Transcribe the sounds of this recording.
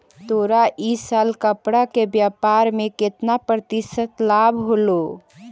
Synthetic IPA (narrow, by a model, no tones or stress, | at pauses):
t̪oːɾaʔisaːlkəpɽakebjapaɾmẽkɪt̪napɾət̪isət̪labʱɦolo